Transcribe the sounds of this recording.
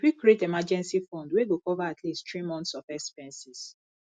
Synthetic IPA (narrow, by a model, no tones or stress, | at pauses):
wikietemad͡ʒɛ̃nsifɔ̃ndweɡokɔvaatʰlisttɹimɔ̃nt̪sɔfɛspɛ̃nsis